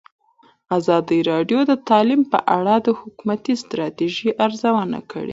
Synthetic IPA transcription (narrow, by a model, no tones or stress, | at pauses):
azɑd̪əɾɑɖjod̪ət̪ɑlimpə̰ʔaɽad̪əhʊkumat̪ist̪ɾɑt̪eʒiʔaɾzawəna̰kə̰ɽḛ